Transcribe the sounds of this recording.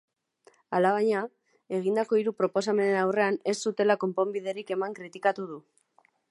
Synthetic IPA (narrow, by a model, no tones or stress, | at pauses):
alaβaɲa | e̞ɣ̞ind̪ako̞iɾupɾo̞po̞s̬ame̞ne̞nawre̞ane̞ssut̪e̞lako̞mpo̞mbiðe̞ɾike̞maŋkɾit̪ikat̪uð̞u